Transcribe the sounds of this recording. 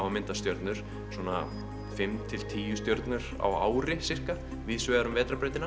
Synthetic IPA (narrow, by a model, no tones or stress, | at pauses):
wamɪnt̪ast̪jœɾt̪nʏɾ̥ | swɔːna̰ | fɪmt̪ʰɪl̥t̪ʰiːjʏst̪jœɾt̪nʏɾ | a̰wa̰ːwɾɪsɪr̥ka | vɪðsvɛːðaɾʏmvɛːt̪ɾapɾɛːjt̪ɪna